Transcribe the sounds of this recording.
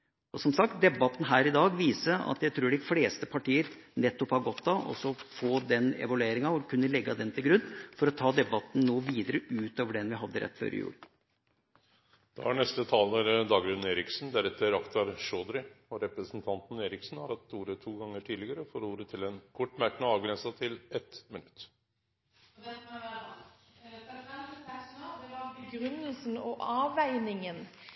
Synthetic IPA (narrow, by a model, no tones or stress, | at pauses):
ɔsɔmsɑk̚t̪̚d̪ɛbɑt̪n̩ɦæːɾɪd̪ɑːɡʋiːsəɑ̰t̪jæɪt̪ʰɾuːɖɪfleːst̪əpʰɑʈʰiːəɾnɛt̪ːɔphɑɾɡɔt̪d̪ɑʔɔ̰sɔfoːd̪ɛnɛ̰ʋɑlʉeːɾɪŋɑɔkʰʉnːəlɛɡːɑd̪ɛnt̪ʰɪlɡɾʉnːfɔɾɔt̪ʰɑːd̪ɛbɑt̪n̩noːʋiːd̪əɾəʔʉːt̪oːʋəɖɛnʋɪɦɑd̪ːəɾɛ̰t̪ːfø̰ːɾʔɪ̰jʉ̰ːl | d̪̥ɛ̰ʋæ̰ɳɛst̪ət̪ʰɑːlnæɾd̪ɑːɡɾʉnn̩eːɾɪksn̩d̪æɾɛt̪ʰːəɾɑkt̪ɑɾʂoːd̪ɾɪɔɾɛpɾəsn̩t̪ʰɑnt̪n̩eːɾɪksn̩hɑɾhɑt̪uːɾət̪ʰuːɡɑŋːəʈʰiːlɪɡəɾəɔfoːɾuːɾət̪ʰɪlɛnkʰɔʈːmæɾkənəɑːʋɡɾɛnsɑt̪ʰɪlɛt̪mɪnʉt̪ː | ɡɾʉnəlsn̩ɔʔɑːʋæɪnɪŋən